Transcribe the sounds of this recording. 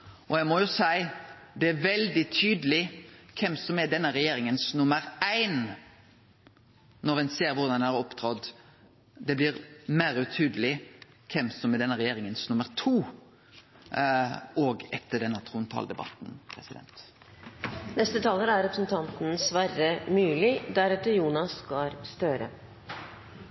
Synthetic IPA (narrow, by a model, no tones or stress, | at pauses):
ʔɔjæmɔjʊsæɪ | d̪ɛæʋɛld̪ɪt̪ʰyːd̪əlɪkʰɛmsɔmɛd̪ɛnːəɾɛjeːɾɪŋənsnʊməɾæɪn | nɔɾʋɛnseːɾʋʊɾd̪ɑnæɾɔpːt̪ʰɾɑd̪ | d̪ɛblɪɾmæːɾʉt̪ʰyːd̪əlɪ | kʰɛmsɔmɛd̪ɛnːəʁɛjeːɾɪŋənsnʊməɾt̪ʰuː | oːɡɛt̪ʰːəɖɛnːət̪ʰʁʊnt̪ʰɑ̰ːld̪ɛbɑ̰t̪n̩pʰɾɛsɪd̪ɛ̰nt̪ | nɛst̪ət̪ʰɑːləɾæɾɾɛpɾəsn̩t̪ʰɑnt̪n̩sʋæɾəmʉːlɪd̪æɾɛt̪ːəjuːnɑsɡɑɾst̪øːɾə̰